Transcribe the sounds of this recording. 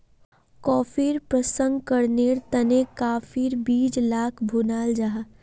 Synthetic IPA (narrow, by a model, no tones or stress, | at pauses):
kɔːfiːɾpɾəsə̃ŋɡkəɾneːɾt̪ɐnekaːfiːɾbiːd͡ʒlaːkʰbʱunaːld͡ʒaɦa